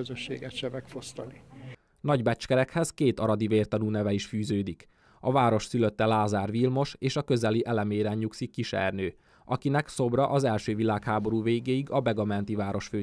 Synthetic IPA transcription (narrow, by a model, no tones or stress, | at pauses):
øzøʃːḛːɡɛʃʃɛvɛkfost̪ɒni | nɒɟbɛt͡ʃkɛɾɛkhɛzkeːt̪ɒɾɒd̪iveːrt̪ɒnuːnɛvɛiʃfyːzøːd̪ik | ɒvaːɾo̞ʃsyløt̪ːɛlaːzaːrvilmo̞ʃeːʃɒkø̞zɛliʔɛlɛmeːɾɛɲɲuksikːiʃɛ̰rnøː | ʔɒkinɛkso̞brɒʔɒzɛlʃøːvilaːkhaːbo̞ɾuːveːɡeːjiɡɒbɛɡɒmɛnt̪ivaːɾo̞ʃføː